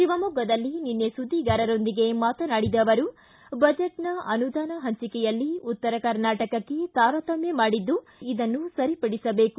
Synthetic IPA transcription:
ʃiʋɐmuɡɐd̪ɐlːininːesud̪ːiɡaːɾɐɾo̞nd̪iɡe̞maːt̪ɐnaːɽid̪ɐʋɐɾu | bɐd͡ʒeʈnɐɐnud̪aːnɐɦɐɲt͡ʃikɛjɐlːiut̪ːɐɾɐkɐɾnaːʈɐkɐkːe̞t̪aːɾɐt̪ɐmjemaːɽid̪ːu | id̪ɐnːusɐɾipɐɽisɐbe̞ːku

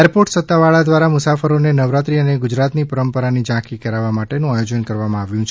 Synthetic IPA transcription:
eɾpoɾʈsət̪ːaʋaɭad̪ʋaɾamʊsafəɾonenəʋɾat̪ɾiəneɡʊd͡ʒɾat̪nipəɾəmpəɾanid͡ʒãkikəɾaʋamaʈenũajod͡ʒənkəɾʋamãaʋjũt͡ʃʰ

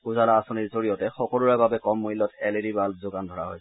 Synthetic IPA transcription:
uzalaasɔniɹzoɹijɔtɛxɔkɔluɹababɛkɔmːuilːɔtʰɛledibalzoɡandʱɔɹa̰ɦo̰jɛ

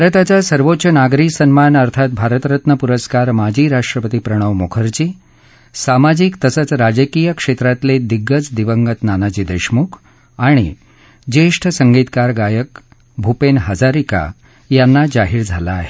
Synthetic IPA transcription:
bʱɾət̪at͡ɕasəɾʋotːɕənaɡɾisənmanəɾt̪ʰat̪̚bʱaɾət̪ɾət̪nəpuɾəskaɾmad͡ʑiːɾaʂʈɾəpət̪ipɾəɽ̃əʋmokʰəɾt͡ɕiː | samad͡ʑikt̪əsət͡sɾad͡ʑəkijəkʂet̪ɾat̪led̪iɡːət͡sd̪iʋəŋɡət̪nanat͡ɕiːd̪əɕmukʰ | aɽ̃ḭ | d͡ʑeʂʈʰəsəŋɡit̪kaɾɡajək | bʱupenɦəd͡zaɾika̰ | janːad͡zaɦiːɾd͡zʱa̰laːɦe̥

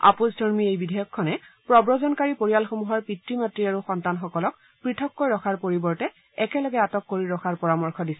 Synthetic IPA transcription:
a̰puzdʱɔɹmiejbidʱɛjɔkʰːɔnɛpɹɔbɹɔzɔnkaɹipoɹijalxomuɦɔɹpitɹimatɹiaɹuxɔntanxɔkɔlɔk̚ | pɹitʰɔkːojɹɔkʰaɹpoɹibɔɹtɛ | ɛkɛlɔɡɛatɔkːoɹiɹɔxʰaɹpɔɹamɔɹkʰɔdisɛ

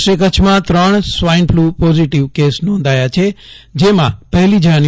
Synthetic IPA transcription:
ʃekət͡ʃʰmãt̪ɾəɳ̃sʋainpʰlupoziʈiʋkesnɔ̃nd̪ʱajat͡ʃʰed͡ʒemãpəɦlid͡ʒan

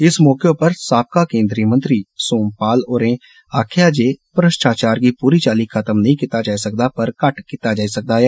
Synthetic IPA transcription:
ɪsmɔːkeopəɾsaːp̚kaːkẽːnd̪ɾiːmə̃nt̪ɾiːsoːmpaːloːɾẽː | aːkʰjaːd͡ʒeːpɾəʃʈaːt͡ʃaːɾkiːpuːɾiːt͡ʃaːliːkʰət̪əmnəɦĩːkit̪aːd͡ʒaːisək̚d̪aːpəɾkəʈkit̪aːd͡ʒaːisək̚d̪aːɦɛː

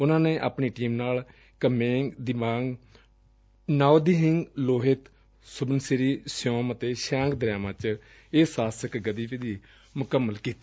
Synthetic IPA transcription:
ʊnãːneːʔaːpɳiːʈiːmnaːl | kəmeːŋɡd̪ɪmaːŋɡ | naːod̪iːɦɪŋɡloːɦɪt̪ | sʊbənsɪɾiːsɪjõːmət̪eːʃãːŋɡd̪əɾaːmãːt͡ʃ | eːsaːsəkɡəd̪iːped̪iː | mʊkəmːəlkiːt̪ː

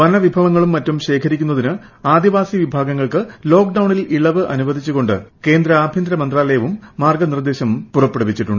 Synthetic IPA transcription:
ʋɐnɐʋibʱɐʋɐŋːɐɭumːɐtːumɕe̞ːkʰɐɾikʲːunːɐðinɨ | aːd̪iʋaːsiʋibʱaːɡɐŋːɐɭkɨlo̞ːkɖɐwɳiliɭɐʋɨʔɐ̰nuʋɐd̪ʱit͡ɕːuɣo̞ɳɖɨ̰ke̞ːnd̪ɾɐaːbʱjɐnd̪ɾɐmɐnd̪raːlejɐʋumːaːrɡɐnird̪e̞ːɕɐmpurɐpːeɽɐpːit͡ɕːiʈːuɳɖɨ

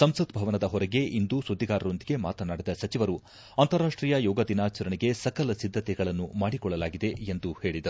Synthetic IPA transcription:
sɐmsɐd̪bʱɐʋɐnɐd̪ɐɦɔɾɐɡeʔind̪usud̪ʱːiɡaːɾɐɾo̞nd̪iɡe̞ma̰ːt̪ɐnaːɽid̪ɐsɐt͡ʃiʋɐɾu | ɐnt̪ɐɾaːʂʈɾiːjɐjɔːɡɐd̪inaːt͡ʃɐɾɐɳiɡe̞sɐkɐlɐsid̪ʱːɐt̪ɛɡɐɭɐnːumaːɽikɔɭːɐlaːɡid̪e̞end̪uhe̞ːɭid̪ɐɾu

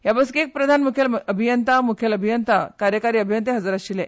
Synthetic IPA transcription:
jabəskiek̚pɾəd̪ʱanmukʰeləbʱijənt̪amukʰeləbʱijənt̪akaɾjəkaɾiːəbʱjənt̪eɦəd͡zaɾaɕilẽ

